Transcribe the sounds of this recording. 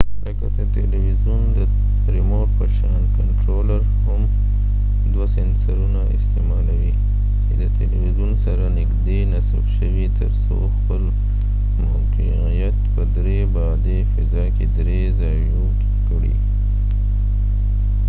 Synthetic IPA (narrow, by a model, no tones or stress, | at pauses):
ləkad̪ət̪eliwizjund̪ə | ɾɪmoʈ̚pəʃɑnkaɳʈɾolaɾham | d̪wasensaɾunaɪst̪emɑlawi | t͡ʃed̪ət̪eliwizunsaɾanɪkd̪enasabʃəwit̪əɾso̰ | xpəl | maqiqijat̪pəd̪ɾebɑd̪efɪzɑked̪ɾe | zɑju | kɽḭ